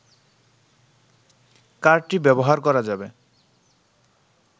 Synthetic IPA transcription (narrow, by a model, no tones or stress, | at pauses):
kaɾɖ̚ʈibɛboɦaɾkɔɾad͡ʑabe